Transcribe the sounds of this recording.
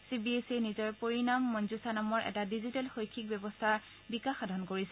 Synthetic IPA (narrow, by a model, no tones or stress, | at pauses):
sibiesenizɔɹpoɹinamːɔnzusanamɔɹʔɛ̰tadizitɛlxojkʰːik̚bjɔbɔst̪ʰaɹ | bikaxadʱɔnkoɹisɛ